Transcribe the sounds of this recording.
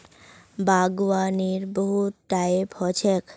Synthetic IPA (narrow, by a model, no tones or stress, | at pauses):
bʱaɡwaniɾboɦuʈːajphɔt͡ɕʰek